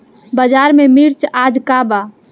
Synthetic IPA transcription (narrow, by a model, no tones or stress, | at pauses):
bəd͡ʒaɾmemiɾt͡ʃad͡ʒkaba